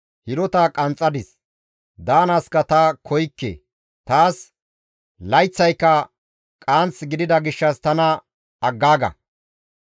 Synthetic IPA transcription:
hɪɾɔt̪aːkʼɐnt͡sʼːɐd̪ɪs | d̪aːnɐskɐt̪ɐkʰɔjkːḛː | t̪aːs | lɐjt͡sːɐjkːɐ | kʼaːnt͡sɡɪd̪ɪd̪ɐɡɪʃːɐst̪ɐnɐ | ɐɡːaːɡɐ̰

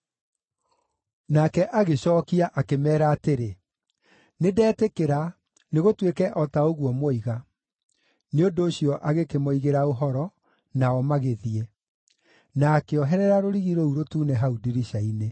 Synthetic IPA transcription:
nakɛʔaɣeɕɔːkiaʔakemɛːɾaːteɾe | nedɛːtekeɾa | neɣotwekɛʔɔtaoɣwɔmwɔiɣa | neondoːɕjɔʔaɣekemoiɣeɾaoɦɔɾɔ | naɔmaɣeðiɛ | naːkeɔɦɛɾɛɾaɾoɾiɣiɾouɾotuːnɛɦaudiɾiɕaine

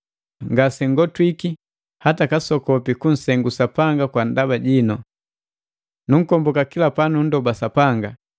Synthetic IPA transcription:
ŋɡasɛŋɡɔtwiki | hatakasɔkɔpikun̩sɛŋɡusapaŋɡakwandabaɟinɔ | nuŋ̩kɔmbɔkakilapanun̩dɔbasapaŋɡa

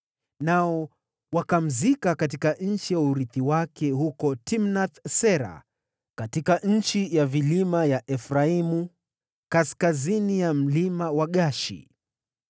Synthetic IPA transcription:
naɔ | wakam̩zikakat̬ikanɲ̩t͡ʃijauɾiθiwakɛhukɔtimnaθsɛɾa̰ | katikaʔɲ̩t͡ʃijavilimajaʔɛfɾaimu | kaskazinijam̩limawaɠaʃḭ

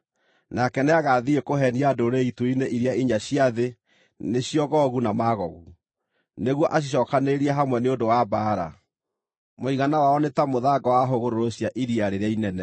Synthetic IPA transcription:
nakɛneaɣaðiekoɦɛniadoɾeituineʔiɾiaiɲaɕiaðe | neɕiɔɣɔɣunamaːɣɔɣu | neɣwɔʔaɕ̬iɕ̬ɔːkaneɾiɛɦamwɛneondowabaːɾa̰ | moiɣanawaɔnetamoðaːɡɔwaɦoɣoɾoɾoɕjaʔiɾiaɾeɾeainɛnɛ

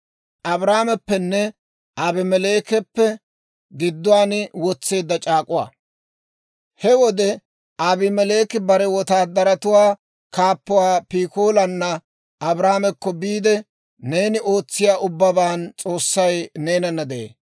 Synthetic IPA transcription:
ʔɐbɾaːmɛpːɛnːɛ | ʔabɪmɛleːkɛpːɛ | ɡɪd̪ːʊwaːnwɔt͡sːe̞ːd̪ːɐt͡ʃʼaːkʼʊwa̰ː | hɛwɔd̪ɛ | abɪmɛle̞ːkɪbɐɾɛwɔt̪aːd̪ːɐɾɐt̪ʊwaː | kaːpːʊwaːpiːkoːlɐnːɐ | ʔɐbɾaːmɛkːɔbiːd̪ɛ | ne̞ːnɪʔo̞ːt͡sːɪjaːʔʊbːɐbaːnt͡sʼo̞ːsːɐjne̞ːnɐnːɐd̪ɛḛː

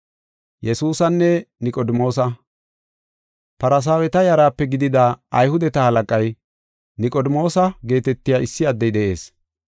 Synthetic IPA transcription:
jɛsuːsɐnːɛnɪkʼɔd̪mo̞ːs̬ɐ | pɐɾɐs̬aːwɛt̪ɐjɐɾaːpːɛɡɪd̪ɪd̪aɐjhʊd̪ɛt̪ɐhɐlɐkʼɐj | nɪkʼɔd̪ɪmo̞ːsɐɡe̞ːt̪ɛt̪ːɪjaːʔɪsːɪɐd̪ːɛjd̪ɛʔe̞̰ːs

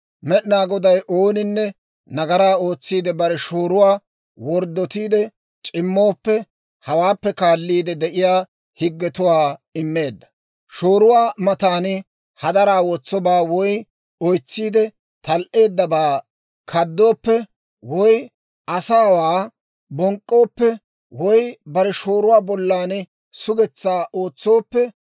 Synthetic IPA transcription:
mɛɗɪnaːɡɔd̪ɐjʔoːnɪnːɛ | nɐɡɐɾaːo̞ːt͡sːiːd̪ɛbɐɾɛʃoːɾʊwaː | wɔɾd̪ːɔt̪iːd̪ɛ | t͡ʃʼɪmːo̞ːpːɛ | hɐwaːpːɛkaːlːiːd̪ɛd̪ɛʔɪjaː | hɪɡːɛt̪ʊwaːɪmːe̞ːd̪ːɐ̥ | ʃoːɾʊwaːmɐt̪aːnɪ | hɐd̪ɐɾaːwɔt͡sːɔbaːwɔj | ɔjt͡sːiːd̪ɛ | t̪ɐlʔe̞ːd̪ːɐbaː | kʰɐd̪ːo̞ːpːɛ | wɔj | ʔɐsaːwaː | bɔŋkʼːo̞ːpːɛ | wɔjbɐɾɛʃoːɾʊwaːbɔlːaːn | sʊɡɛt͡sːaːʔo̞ːt͡sːo̞ːpːɛ

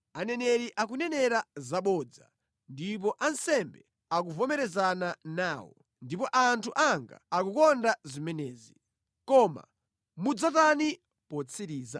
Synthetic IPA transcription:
anɛnɛɾiʔakunɛnɛɾazaɓɔd͡za̰ | ndip̬ɔʔansɛmbɛ | akuvɔmɛɾɛzananaːwɔ̰ | ndipɔʔantʰuʔaŋɡa̰akukɔndazimɛnɛːzi | kɔːma̰ | mud͡zatani | pɔt͡sʰiɾiːza̰

